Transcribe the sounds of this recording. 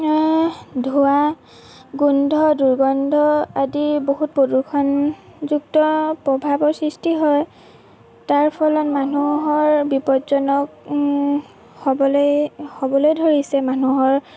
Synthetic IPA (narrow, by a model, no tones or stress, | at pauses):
dʱua | ɡundʱɔduɹɡɔndʱɔadiboɦut̚podukʰɔn | zuk̚tɔpɹɔbʱabɔɹsɹistiɦɔj | taɹpʰɔlɔnmanuɦɔɹbipɔtzɔnɔk | hɔbɔljhobɔlojdʱoɹisɛmanuɦɔɹ